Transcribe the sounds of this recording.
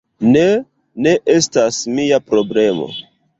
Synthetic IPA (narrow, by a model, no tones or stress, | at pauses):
ne̞ | ne̞ʔestasmiapɾo̞ble̞mo̞̰